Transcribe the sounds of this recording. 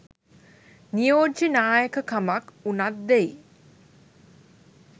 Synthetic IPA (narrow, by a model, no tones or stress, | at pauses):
nijoːdd͡ʒinaːjəkəkamakunat̪̚d̪ej